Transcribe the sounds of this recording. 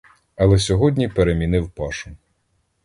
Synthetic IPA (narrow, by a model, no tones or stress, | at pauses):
ɐlˠɛsʲɔɦɔdʲnʲipeɾemʲinɪwpɑʃʊ